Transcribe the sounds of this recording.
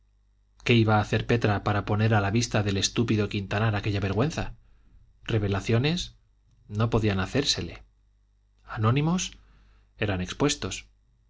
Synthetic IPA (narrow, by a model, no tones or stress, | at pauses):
ke̞iβaːθe̞ɾpe̞t̪ɾapaɾapo̞ne̞ɾalaβist̪aðe̞le̞st̪upiðo̞kint̪anaɾake̞ʎaβe̞ɾɣwe̞nθa | re̞β̞e̞laθjo̞ne̞s | no̞po̞ðianaθe̞ɾse̞le̞̰ | anõ̞nĩmo̞s | e̞ɾane̞kspwe̞st̪o̞s